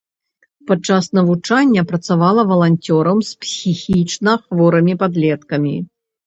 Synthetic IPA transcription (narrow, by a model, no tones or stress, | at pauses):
pat͡ʂːasnɐvut͡ʂanʲːɐpɾɐt̪savalˠɐvɐlˠanʲt͡sʲɔɾɐmspsʲixʲit͡ʂnɐxvɔɾɐmʲipad̪lʲɛt̪kɐmʲi